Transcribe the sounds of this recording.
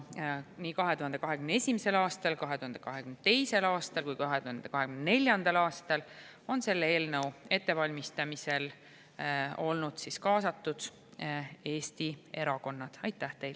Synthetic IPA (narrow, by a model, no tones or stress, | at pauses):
niːkɑɦe̞t̪uɦɑnd̪ekɑɦekymneesʲimese̞lɑːst̪ɑlkɑɦet̪uhɑnd̪e̞kɑɦekymnt̪e̞jse̞lɑːst̪ɑlkujkɑɦet̪uhɑnd̪̥ekɑɦeɡymnne̞lʲjɑnd̪̥ɑlɑːst̪ɑl | o̞nse̞lːe̞ːlnəwe̞t̪ːe̞vɑlʲmist̪ɑmise̞l | o̞lnud̪̥siskɑːsɑt̪ːud̪̥ | e̞ːst̪ie̞ɾɑko̞nːɑd̪̥ɑjt̪ːˑæht̪e̞jl